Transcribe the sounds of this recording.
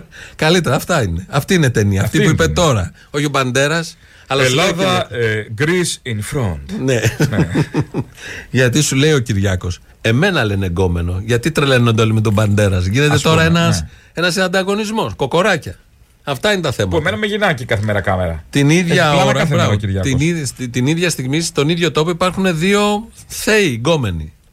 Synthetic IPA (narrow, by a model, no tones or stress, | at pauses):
kɐlit̪e̞ɾɐːft̪ɐine̞ɐft̪iinet̪e̞niɐːft̪ipuiipet̪o̞ɾɐ | o̞çio̞bɐnd̪e̞ɾɐs | ɐlɐsllɐðɐɡɾisinfɾond̪̥ne | ʝɐt̪̬isule̞io̞ciɾʝɐko̞s | e̞me̞nɐle̞neɡo̞me̞no̞ʝɐt̪it̪ɾelenːɐnd̪olimet̪obɐnd̪e̞ɾɐzʝinet̪e̞t̪o̞ɾɐenɐs | e̞nɐsinɐnd̪ɐɣo̞nizmo̞sko̞ko̞ɾɐcɐ | ɐft̪ɐine̞t̪ɐθe̞mɐpemenɐmeʝinɐcikɐθemeɾɐkɐmeɾɐ̰t̪iniðʝɐloɾɐɐɾɐiɾʝɐiist̪iniðʝɐst̪iɣmist̪o̞niðʝo̞t̪o̞poipɐɾxune̞ðio̞ | θe̞iɡo̞me̞ni